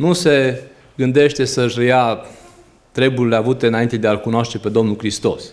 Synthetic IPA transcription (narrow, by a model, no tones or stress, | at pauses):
nuse̞ | ɡɨnd̪e̞ʃt̪e̞səɨʃəja | t̪ɾe̞burileavut̪e̞ɨnaint̪e̞d̪ealkunoaʃt̪epe̞d̪o̞mnulkɾist̪o̞s